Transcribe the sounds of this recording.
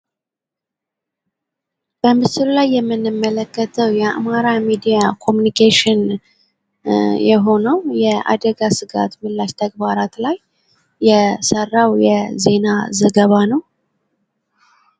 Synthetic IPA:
b̥əmɨsɨllajːɛmːɨnːɨmːələkːət̪ʰəwjɛa̰maɾamid̪ijakʰo̞munikʰeʃɪn | jɛɦo̞nəwjɛʔa̰d̪əɡasɨɡa̰t̪mɨlːaʃt̪ʰəɡbaɾat̪lajː | ɛsərːawjɛze̞nazəɡəβanəw

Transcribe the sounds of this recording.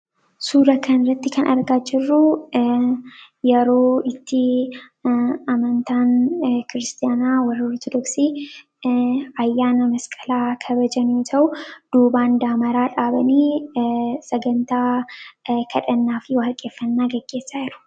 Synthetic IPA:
suːɾɐkʰɐnrːɐt̪ːɪkʰɐnʔɐ̰ɾɡaːd͡ʒɪrːu | jɛɾo̞ːɪt̪ːɪ | ɐmɐnt̪aːnkɪɾɪst̪ʰʼɪjaːnawɐrːɐɔɾt̪ʰɔd̪ɔksiː | ɐjːaːnɐmɐskʼɐ̥laːkʰɐbɐd͡ʒɐnjoːt̪ʰɐʔʊd̪̥uːbaːnd̪aːmɐɾaːᶑaːbɐniː | sɐɡɐnt̪aː | kʰɐᶑɐnːaːfɪwɐɐlkʼːe̞ːfːɐnːaːɡɐɡ̥ːe̞ːsːaːjɪɾʊ̥

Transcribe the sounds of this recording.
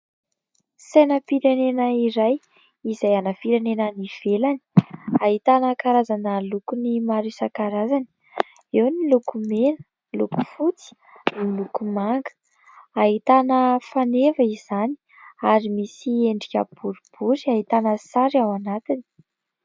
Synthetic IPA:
sejnəpiɾenenəiɾaj | izajanəfiɾenenəniv̥elani̥aɦit̪anəkaɾazanəlukunimaɾisakaɾazani̥ | ewnilukumenə̥ | luku̥fut͡si̥ | nilukumaŋɡ̥ | aɦit̪anəfanevəiz̥ani̥ | aɾimisieɳɖ͡ʐikʲə̰b̥uɾub̥uɾiaɦit̪anəsaɾiawanat̪ini̥

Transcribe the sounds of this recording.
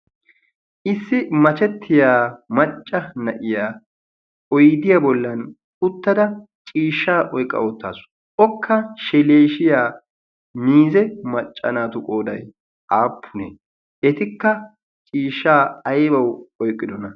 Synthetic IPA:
ʔɪsːɪmɐt͡ʃɛt̪ʰːɪjaːmɐt͡ʃʼːɐnɐʔɪjaː | ɔjɪd̪ɪjabɔlːɐn | ʊt̪ːɐd̪ɐ | t͡ʃʼiːʃːaːʔɔjkʼːɐ̰ɔt̪ːa̰ːsʊ̥ | ʔɔkʰːɐʃɛleːʃɪjaː | miːzɛmɐt͡ʃʼːɐ̰naːt̪ʊkʼo̞ːd̪ɐj | ʔaːpʰːʊne | ʔɛt̪ɪkːɐ | t͡ʃʼiːʃːaːɐjbɐwɔjkʼːɪd̪ɔnɐ

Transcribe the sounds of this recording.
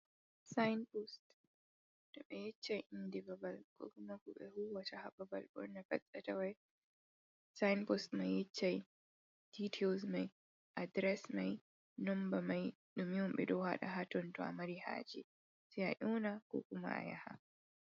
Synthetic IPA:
sajnpost | dɔɓɛjɛt͡ʃːajʔindibabalkɔ̰ːkumakuɓɛhuwatahabɐba̰lbɔ̰ɾnafɐsʼatawaj | sajnpostmajɛt͡ʃːaj | d̥itʰɛlzmaj | ʔadɾɛsmaj | nɔmbamaj | ɗumiwɔmɓɛ̰ɗɔwha̰ɗa̰ɦatɔntɔa̰maɾiha̰ːd͡ʒɛ | sɛaʔuːnakɔ̰kuma̰a̰ja̰ha̰

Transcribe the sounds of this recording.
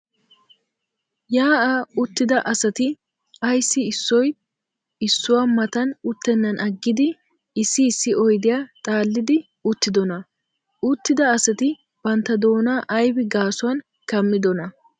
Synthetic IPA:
jaːʔaʊt̪ːɪd̪ɐʔɐsɐt̪ɪ | ɐjsːɪːsːɔj | ɪsːʊwamɐt̪ɐnʊt̪ːɛnːɐnʔɐɡːɪd̪ɪ | ɪsːɪːsːɪɔjd̪ɪjaːt̪ʼaːlːɪd̪ɪ | ʊt̪ːɪd̪ɔnɐ | ʊt̪ːɪd̪ɐːsɐt̪ɪ | bɐnt̪ːɐd̪o̞ːnaːʔɐjbɪɡaːsʊwɐn | kɐmːɪd̪ɔnɐ

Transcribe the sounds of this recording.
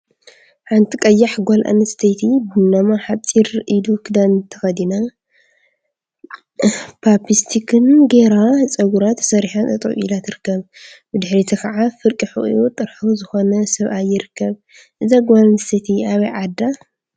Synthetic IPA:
ħant̪ʰikʼɐjːaħɡʷolʔa̰nɨst̪ʰɐt̪ʰibɨnːɐmaħat͡sʼiɾʔidukʰɨd̪ant̪ʰɐxɐd̪ina | pʰapist̪ʰikʰɨnɡeɾat͡sʼɐɡuɾat̪sɐɾiħanɐt̪ʼɐ̰ʔʔḭlat̪ɨɾɨkːɐβ | bɨd̪ɨħɾit̪ʰɐkʰɐʕafɨɾkʼiħɨ̰ʔʼʔut̪ʼɨɾħuzɨxo̞nɐsɐβʔajːɪɾɨkʰːɐβ | ʔɨzaɡalɐnst̪ʰet̪ʰiaβɐjʕad̪ːa

